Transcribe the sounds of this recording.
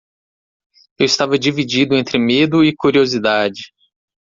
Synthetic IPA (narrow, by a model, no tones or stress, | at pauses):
ewɪst̪avɐd͡ʒivid͡ʒid̪ʊẽnt̪ɾɪmed̪ʊɪkuɾiozid̪ad͡ʒɪ